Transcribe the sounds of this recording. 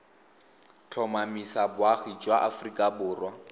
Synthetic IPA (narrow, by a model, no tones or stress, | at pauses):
t͡ɬʰɔmamisabʊaχit͡ʃʼwaʔafrikʼabʊːrwa